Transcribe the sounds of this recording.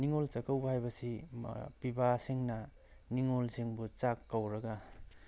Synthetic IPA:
niŋolt͡ʃakawbɐhajbɐsḭpibaseŋnɐ | niŋolseŋbut͡ʃakːawɾɐɡa

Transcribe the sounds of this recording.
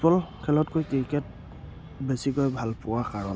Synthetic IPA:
pɔlkʰɛlɔtkojkɹikɛt̚ | besikojbʱalpʊwakaɹɔn

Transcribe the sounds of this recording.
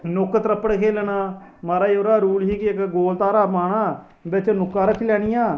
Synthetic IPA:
nʊkːt̪ɾəpːəɽkʰeːlnaːmaːɾaːioːɾaːɾuːlɦiːkɪkɡoːlt̪aːɾaːmaːɽaː | bɪt͡ʃnʊkːaːɾəkʰːlɛːɽ̃ɪjãː

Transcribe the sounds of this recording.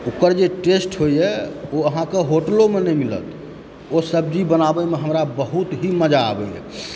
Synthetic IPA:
ukəɾd͡ʒeʈesʈɦojɛoəɦãkeɦoʈlomenɛjmilə̰t̪ | osəbd͡ʒibənabɛmeɦəmɾabəɦut̪ɦiməd͡ʒa̰ːbɛɛ̰

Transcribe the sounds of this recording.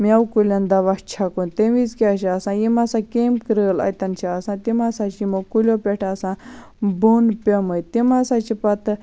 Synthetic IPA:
mʲawkulʲand̪aʋat͡ʃʰakont̪eʋizkʲiaʃiasãːjimasãkemkɾəlɐ̰jt̪ɐnt͡ʃʰiasãːt̪imasat͡ʃimokulʲjopʲeʈʰasã | bunpʲeməjt̪imasat͡ʃipɐt̪ɨ

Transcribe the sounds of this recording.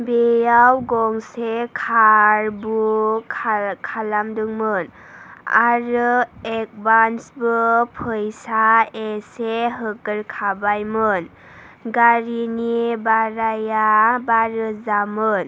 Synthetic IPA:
bejawɡɔŋsekʰaɾbu | kʰalamdɯŋmɯn | a̰ɾɯek̚bansbɯpʰɯjsaeseɦɯkɯɾkʰabajmɯn | ɡaɾinibaɾajabaɾɯzamɯn

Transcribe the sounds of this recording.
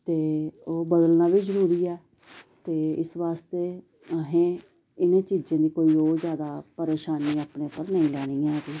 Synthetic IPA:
t̪eːoːbəd̪əlnaːʋiːzəɾuːɾiːɛː | t̪eːɪ̰sʋaːst̪eː | əɦẽː | ɪnẽːt͡ʃiːzẽːd̪iːkoːiːoːɾzjaːd̪aːpəɾeːʃaːniːaːpneːʊpːəɾnəĩːlɛːɽ̃ĩːãːɡiː

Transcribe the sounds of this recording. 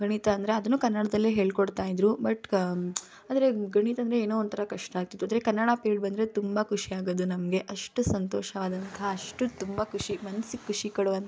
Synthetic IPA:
ɡɐɳit̪ɐɐnd̪ɐɾe̞ɐd̪ɐnːuːkɐnːɐɽɐd̪ɐlːeːɦe̞ːɭkoɽt̪aːjid̪ɾubɐʈ | aːd̪ɐɾe̞ɡɐɳit̪ɐnd̪ɾeeːnoːnt̪ɐɾɐkɐʂʈɐaːɡt̪it̪ːuɐnd̪ɾekɐnːɐɽapeːɖbɐnd̪ɾet̪umbɐkʰuʂijaːɡoːd̪unɐmɡe̞ʔɐʂʈusɐnt̪oːʃɐaːd̪ɐnt̪ɐɦɐɐʂʈut̪umbɐkʰuʂimɐnsikʰːuʂikɐɽuʋɐnt̪

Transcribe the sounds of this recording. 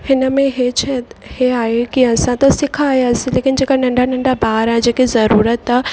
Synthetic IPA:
hɪnəmẽɦet͡ʃʰɛheaːɦekiɐsãt̪ɐsɪkʰaːɦjaːsĩleːkɪnd͡ʑeːkanɐ̃ɳɖʱanɐ̃ɳɖʱabaːɦɾãːd͡ʑeːkezɐɾuːɾət̪a

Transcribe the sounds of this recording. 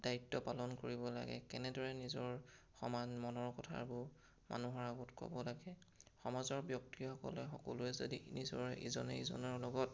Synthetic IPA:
daitːɔpalɔnkoɹibɔla̰ɡɛ̰kɛnɛdɔɹɛnizɔɹ | xɔmanmɔnɔɹkɔtʰa̰bʊ | ma̰nuɦɔɹaɡɔtkɔ̰bɔlaɡɛxɔmazɔɹbjɔktixɔkɔ̰lɛxɔkɔ̰luɛzo̰dinizɔɹʔizɔ̰nɛizɔ̰nɔɹlɔɡɔt

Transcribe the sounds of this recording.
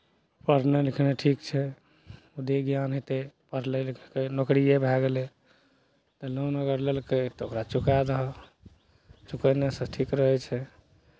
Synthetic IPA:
pəɾnelikʰneʈʰikt͡ʃʰɛ | ud̪eɡjanɦet̪epəɾlelikʰkenokɾijebʱɛɡelɛ | t̪ɔlonəɡəɾlelket̪ɔokɾat͡ʃukad̪əɦɔ | t͡ʃukənesə̃ʈʰikɾəɦɛt͡ʃʰɛ

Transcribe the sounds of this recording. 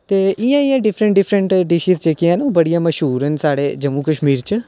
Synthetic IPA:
tt̪eːʔɪjãːɪjãːɖɪpʰɾəɳʈɖɪpʰɾəɳʈɖɪʃiːsd͡ʒeːkijãːnũːbəɽijãːməʃɦuːɾɦɛnsaːɽeːd͡ʒəmuːkəʃmiːɾt͡ʃ

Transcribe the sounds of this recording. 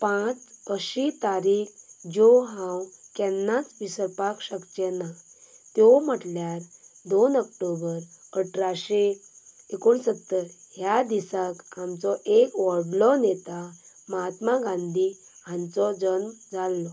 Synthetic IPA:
pãt͡səɕit̪aɾiːkd͡ʑɔɦãwkɛnːat͡sʋisəɾpakɕəktjɛna | t̪jɔm̤əʈljaɾd̪onəkʈobəɾəʈʰɾaɕe | ekoɳsət̪ːəɾɦjad̪isakamt͡sɔʔekʋɔɾɽlɔnet̪a | məɦat̪maɡãnd̪ʱiãnt͡sɔd͡zənmd͡zalːɔ

